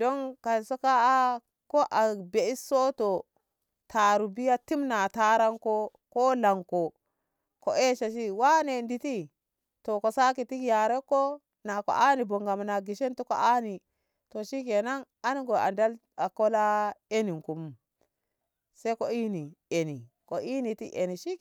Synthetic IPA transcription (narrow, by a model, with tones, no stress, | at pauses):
do˦ŋka˨so˦ka˦a˦ | ko˦ʔa˨be˨i˦so˦to˨ | tʰa˨ɾu˨bi˦ja˦ti˦mna˨ta˦ɾa˦ŋko˦ | ko˦la˨ŋko˨ | ko˨ʔe˦ʃa˨ʃ̬i˦wa˦ne˨ndi˨ti˦ | to˨ko˨sa˦ki˨ti˦kja˨ɾe˦ko˦ | na˨ko̰˨ʔa˦ni˨bo˨ŋɡa˨m˨na˨ɡi˨ʃe˦ntu˦ko˨ʔa˦ni˨ | to˨ʃi˦ke˨na˦ŋ | a˦ni˦ɡo˨a̰˨nda˦l | a˨ko˦la˦e˦ni˨ŋku˨mu˦m | se˦ko˦i˦ni˨e˨ni˨ | ko˨i˦ni˨tḭ˦ʔe˨ni˨ʃi˦